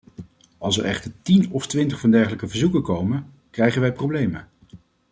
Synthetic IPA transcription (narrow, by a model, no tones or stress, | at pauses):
ɑlˠsəɹɛχtəɹtinɔftʋɪntəχfɑndɛɹχələkəvəɹzukəkowmən | krɛjχənʋɛjprowblejmə̰